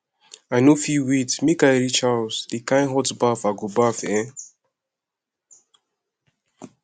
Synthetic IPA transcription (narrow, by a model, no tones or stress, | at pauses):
ajnofiwitsmĩkaɾit͡ʃalsdikãj̃nɦɔtbafaɡobafɛ̃